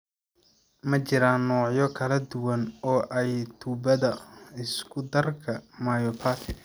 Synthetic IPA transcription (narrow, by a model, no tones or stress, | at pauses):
mɐt͡ʃɪɾaːnːɔːʕjɔkʰɐlɐd̪ʊwɐnɔːʔɛjt̪ʰuːbɐðɐɪskʰʊd̪ɐrkʰɐmaːjɔːpʰaːt̪ʰɪ